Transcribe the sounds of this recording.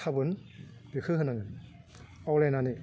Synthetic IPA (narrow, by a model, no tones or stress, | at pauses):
abɯnb̥ikʰɯɦɯnanɯ | awlenani